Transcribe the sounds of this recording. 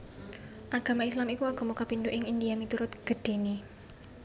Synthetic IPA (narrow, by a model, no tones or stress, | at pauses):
ʔaɡ̥a̤maislamikuaɡ̥o̤mukapind̪uʔɪŋind̪iamit̪uɾʊt̪̚ɡ̥ə̤ɖ̥e̤ni